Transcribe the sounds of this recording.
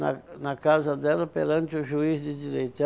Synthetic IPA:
ɐnɐkazɐd̪ɛlɐpeɾɐ̃nt͡ʃ̪ɪʊʒuizd̪ɪd̪iɾejt̪ɛ

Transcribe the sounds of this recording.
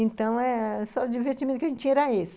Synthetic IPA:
ẽnt̪ɐ̃w̃ɛsɔd͡ʒĩvest͡ʃimẽt̪kɪɐʒẽt̪t͡ʃt͡ʃĩɲɛɾɐesɪ̥

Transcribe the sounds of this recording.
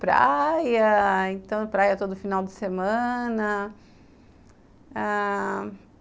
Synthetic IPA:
pɾa̰jɐẽnt̪ɐ̃w̪̃ʊpɾajɐt̪od̪ʊfinawd͡ʒɪsemɐ̃nɐ | a

